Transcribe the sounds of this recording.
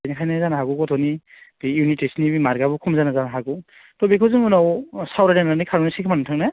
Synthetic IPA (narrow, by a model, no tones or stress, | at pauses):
jnikʰajnazanaɦaɡuɡɔtʰɔni | bijunitesnibimaɾɡabukʰumzanazanaɦaɡu | tɔbekʰɯzɯŋunawsawɾanananikʰaɾɔnisikʰamanumtʰaŋna